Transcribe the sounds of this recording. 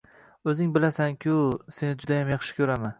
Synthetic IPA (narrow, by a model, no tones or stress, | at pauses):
ɵzɪŋbɪlasaŋkʲʰʊse̞nɪd͡ʒʊd̪ajamjɑχʃɪ̥kʲʰɵɾaman